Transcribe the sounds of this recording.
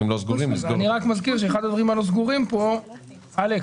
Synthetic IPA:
imlozɡuʁimlisaoniʁakmazkiʁʃ̬eeχad̪ad̪vaʁimalo̞zɡuʁimpo̞ | ale

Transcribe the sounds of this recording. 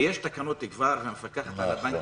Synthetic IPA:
jeʃt̪akanot̪iɡvaʁvemefakaχat̪alaban

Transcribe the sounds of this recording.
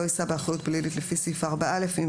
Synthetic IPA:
oisabeaχʁajut̚blilitlefisifaːʁbaʔalefim

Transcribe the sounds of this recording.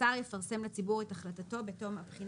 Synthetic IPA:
aʁjefaʁse̞mlet͡sibuʁetaχlatato̞betomapχin

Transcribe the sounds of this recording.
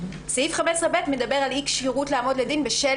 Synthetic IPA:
seifχamesʁebetme̞d̪abe̞ʁalikʃiʁutleːmo̞d̪ledinbeʃe

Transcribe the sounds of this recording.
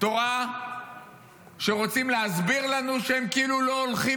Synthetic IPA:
t̪o̞ʁa | ʃeʁot͡simleazbiʁlanuʃeemkiiːluloːlχi

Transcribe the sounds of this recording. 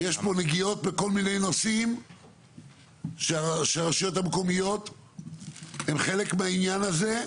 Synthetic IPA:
je̞ʃpo̞neɡijo̞t̪̚beko̞lmine̞jnosim | ʃeaʃeaʁaʃjo̞t̪hameko̞mijo̞t̪ | hemχe̞le̞kmeainjanaze̞

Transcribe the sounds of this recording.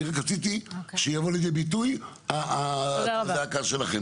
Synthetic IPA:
ʁakat͡sit̪iʃejavo̞lejd̪ebit̪̬uj | aazeakaʃelaχe

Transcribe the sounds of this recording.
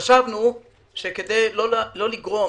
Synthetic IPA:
aʃavnu | ʃeked̪ejlolo̞liɡʁo̞

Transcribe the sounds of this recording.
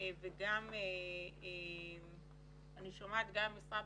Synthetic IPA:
veɡamee | aniʃomaet̪ɡamisab

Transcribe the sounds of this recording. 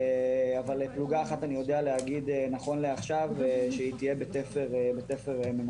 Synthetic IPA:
avalepluɡaːχat̪anijo̞d̪ealeaɡid̪enaχo̞nleaχʃaveʃeit̪ije̞betefeʁbetefeʁemen

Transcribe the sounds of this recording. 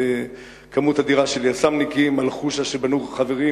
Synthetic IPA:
kamut̪had̪iʁaʃeljasamnikimalχuʃaʃebanuχχaveʁi

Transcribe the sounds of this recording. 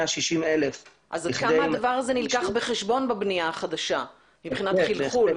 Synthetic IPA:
aʃiʃimelef | ʔazakamaadavaʁazenilkaχbeχe̞ʃbo̞nbabniaːχad̪aʃa | mibχinat̪χilχul

